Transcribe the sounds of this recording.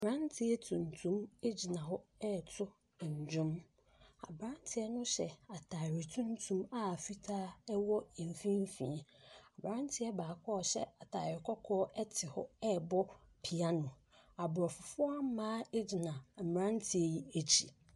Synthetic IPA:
m˨ɾã˦ntʰɪ˦ɛ˦tʰũ˨n˨tʰũ˦me˦d͡ʑi˨nã˨ɦɔ˦ɛ˦˨tʰʊ˦˨ | ɲ˨d͡ʑᶣʊ̃˦m | a̰˨bɾã˦n˦tʰɪ˦ɛ˦nʊ̃˦ɕɛ˨a˨tʰa˨ɾɪ˨tʰũ˦n˦tʰũ˦ma˦˨fi˦tʰaː˦ɛ˦wɔ˦e˨m˨fĩ˦m˦fḭ̃˨a˨bɾã˦n˦tʰɪ˦ɛ˦baː˨kʰɔː˦ɔ˨ɕɛ̰˦a˨tʰa˨ɾɪ˨kʰɔ˦kʰɔː˦ʔɛ˦tʰɪ˨hɔ˦ɛ˦˨bɔ˦pʰi˨a˦nʊ̃˨ | a˨bʊ˨ɾɔ˨fʊ˨fʊ˦a˦m˦mãː˦e˦d͡ʑi˨nã˨m˨ɾã˦n˦tʰɪ˦e˦ji˦e˨t͡ɕʰi˨

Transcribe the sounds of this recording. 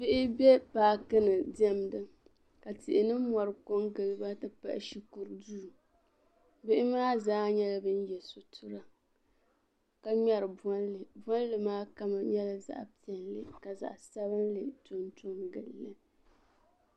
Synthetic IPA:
bɪ˦ʔɪ˦bɛ˦paː˨kɨ˦nɨ˨dɛ˦mdɨ˦ | ka˨tɪ˨ʔɪ˨nɨ˦mɔ˨ɾɨ˨ko˦ŋɡɨ˨lɨ˦ba˦tɨ˨pa̰˦ʔɪ̰˦ʃi˦ku˨ɾduː˦˨ | bɪ˦ʔɪ˦maː˦zaː˦ɲɛ˦la˦bɨ˦n̩˦jɛ˨sʊ˨tʰʊ˦ɾa˦ | ka˨ɲɛ˨ɾɨ˨bbɔ˦n˦lɨ˨maː˦ka˦ma˨ɲɛ˦la˦za̰˦ʔpi˦˨ɛ˨nlɨ˦ka˨za̰˨ʔsa˦βɨ˦n˦lɨ˨tʊ˨ntʊ˦ŋɡɨ˨lːɨ˦

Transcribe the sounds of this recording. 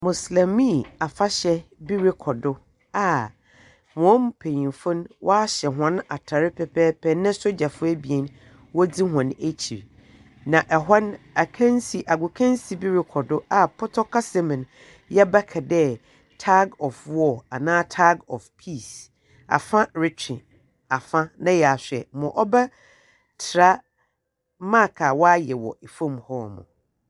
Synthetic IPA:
mʊ̃˨slɛ̃˨mĩ˦˨a˨fa˦ɕɛ˨˦bi˦ɾɪ˦kʰɔ˨dʊ˦ | a˨ | m˨ɔ̃˨˦m˦pʰe˨ɲĩ˨mfʊ̃˦nwʔɔ˦a˦ɕɛ˨ɦã˨˦n˦a˨tʰa˨ɾɪ˦pʰɛ˨pʰɛː˦pʰɛ˦nːɪ̃˦so˦d͡ʑa˨fʊ˦æ˦bi˨e˨n | wɔ˦di˦ɦã˨ne˦t͡ɕʰi˨ɾ | nã˨ʔɛ˨ɦɔ˦n | a˨kʰã˦n˦si˨ʔa˨ɡʊ˨kʰã˦n˦si˨bi˦ɾɪ˨kʰɔ˨dʊ˦a˨pʰɔ˦tʰɔ˦kʰa˦sɛ˦mɪ̃˨n˨ | jɛ˦bɛ˦kʰɛ˨dɛ˦ | tʰa˦ɡɔ˨fwɔ˦˨a˨nãː˦tʰa˦ɡɔ˨fpʰi˦˨s | a̰˨fã˦ɾɪ˨t͡ɕᶣʰɪ̃˨ | a˨fã˦nã˦jɛ˨a˨sᶣɛ̰˨mʊ̃˨ʔɔ˦bɛ˦ | tʰɪ˨ɾa˦ | mã˦˨kʰa˨wɔ˦a˦jɛ˨wɔ̰˨e˨fõ˦˨mhɔ˦mʊ̰̃˨

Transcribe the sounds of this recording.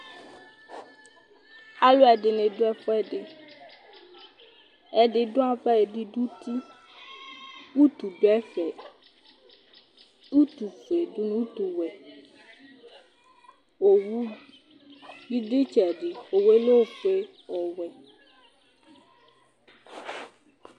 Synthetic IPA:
a˦lo˦ɛ˨ɖɪ˨nɪ̃˨do˦ɛ˦ɸɔ˦ɛ˦ɖɪ˨ | ɛ˦ɖɪ˦˨do˦a˦ɸɛ˦e˨ɖɪ˦ɖu˦t̪i˦ | wu˦t̪u˨ɖo˨˦ɛ˦fɛ˨ | u˦t̪u˨fe˨du˦nũ˦u˦t̪u˨wɛ˨ | wo˨wu˦ | ji˦ɖɪ˦t͡ʃɛ˨ɖɪ˨wo˨we˦lo˦˨fe˦ | wɔ˨wɛ˨

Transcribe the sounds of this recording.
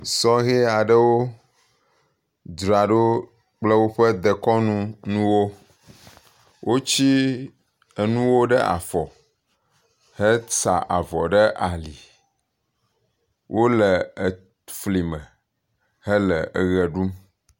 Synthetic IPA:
sɔ˦ɣɛ˦a˨ɖə˦wo˦ | d̪ɾa˨ɖo˦ | k͡plə˦wo˦ɸə˦d̪ə˨kɔ˦nũ˦nũ˦wo˦ | wʔo˦t͡ɕi˦ | ə˨nũ˦wo˦ɖɛ˦ʔa̰˨fɔ˨ | hɛ˦sa̰˨ʔa˨vɔ˨ɖɛ˦ʔa˨li˨ | wʔo˦lɛ˨ | fli˨mɛ̃˨ | hɛ˦lɛ˨ə˨ɣɛ˨ɖu˦m

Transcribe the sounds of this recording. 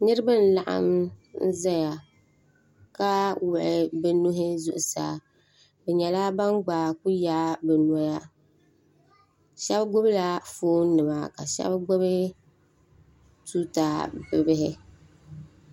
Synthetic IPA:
nɨ˦ɾɨ˦bɨ˦n̩˦la˨ʔa̰˦m̩˦za˦ja˨ | ka˦wʊ˨ʔɪ˨bɨ˦nʊ˦ɦɪ˦zʊ̰˦˨ʔʊ˨sa̰ː˨ | bɛ˨ɲɛ˨la˦ba˦nɡ͡baː˨ku˦jaː˦bɛ˨n˨ɔ˦ja˦ | ʃɛ˦bɡʊ˦bla˦foː˦nɨ˨ma̰˨ka˨ʃɛ̰˦bɡʊ˦βɪ˦ | tu˦taː˨˦bɨ˨bɪ˦ɦɪ˦

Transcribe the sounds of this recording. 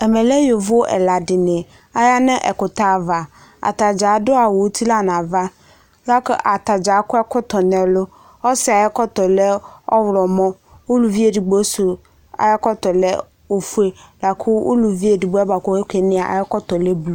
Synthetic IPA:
ɛ˨mɛ˨lɛ˦jo˨vʊ˦ʔɛ̰˨la˨dɪ˨nɪ˨ | a˦ja˦nɪ̃˦ʔɛ̰˨kʊ˨ta˦˨va˨ | a̰˨ta˨d͡ʒa˨˦dʊ˦a˨wo˨˦tʰi˦la˦˨nã˨va˦ | la˦kʊ˦ʔa˨ta˨d͡ʒa˨˦kʊ˦ɛ˦kʊ˦tɔ˨nɛ˨lʊ˦ | ɔ˦sɪ˨a˨jɛ˦kɔ˦tɔ˨lɛ˦ɔ˦wɾɔ˨mɔ̃˦ | o˦lu˨vi˦e˨di˨ɡ͡bo˦sʊ˨ | a̰˨jɛ˦kɔ˦t̪ɔ˨lɛ˦ | o˨fu˦e˦la˨kʰʊ˦ṵ˦lu˨vi˦e˨di˨ɡ͡bo˨˦ɛ˦ba˨kɔ˨e˦kʷe˨˦nɪ̃˦a˨a̰˨jɛ˦kɔ˦tɔ˨le˦blu˨

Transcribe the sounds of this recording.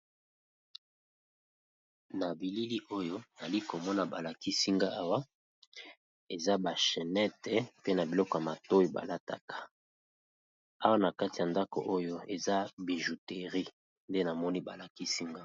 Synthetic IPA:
na˨bi˨li˦li˦ʔo˦jo˦˨a˨li˦ko˨mɔ˦na˨ba˨la˨ki˦si˦ŋɡa˦a˦wa˦ | e˨za˦ba˨ʃɛ˨nɛ˦tɛ˨pe˦na˨bi˨lɔ˦kɔ˨ja˨ma˨to˦i˦ba̰˨la˦ta̰˨kʰḁ˦ | a˦wa˦na˨ka˦ti˨ja˨nda˦ko̰˨ʔo˦jo˦e˨za˦bi˨ʒu˨te˨ʁi˦ | nde˦na˨mɔ˦ni˦ba˨la˨ki˦si˦ŋɡa˦

